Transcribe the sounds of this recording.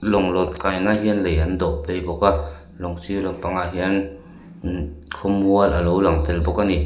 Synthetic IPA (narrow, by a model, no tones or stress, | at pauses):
lɔŋlɔt̚kajnaɦiənlejand̪ɔʔpejbɔka | lɔŋsilɔt̚paŋaɦiən | kʰɔmuənʔalowlaŋt̪elbɔkani